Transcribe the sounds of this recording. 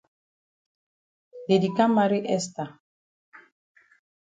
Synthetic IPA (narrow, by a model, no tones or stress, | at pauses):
d̪edikamaɾiʔɛst̪a